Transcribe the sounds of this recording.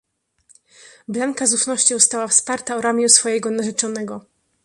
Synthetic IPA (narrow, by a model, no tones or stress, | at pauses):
blaŋkazufnɔɕt͡ɕɔ̃w̃st̪awafspaɾt̪aɔɾamʲjusfɔjɛɡɔnaʐɛt͡ʂɔnɛɡɔ